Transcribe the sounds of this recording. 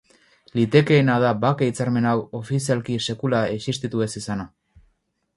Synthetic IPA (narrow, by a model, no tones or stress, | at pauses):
lit̪e̞ke̞ːnaðabakeit͡saɾme̞nawo̞fisialkise̞kulaesist̪it̪ue̞sisana